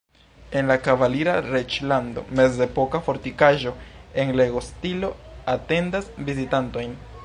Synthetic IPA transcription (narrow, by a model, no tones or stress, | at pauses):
e̞nlakavaliɾaɾet͡ʃlando̞̰me̞ze̞po̞kafo̞ɾtikaʒo̞e̞ŋle̞ɡo̞stilo̞ate̞ndasvizitanto̞jn